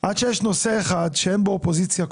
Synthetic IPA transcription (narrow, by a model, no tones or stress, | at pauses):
ʔad̪ʃejɛʃnoseːχad̪ʃeenbeopozit͡sjak